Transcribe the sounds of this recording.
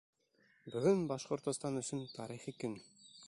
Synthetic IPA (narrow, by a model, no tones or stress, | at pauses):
bɵ̆ɡɵnbɑʃqŏɾt̪ŏst̪ɑnɵ̆sɵnt̪ʰɑɾiχikɘn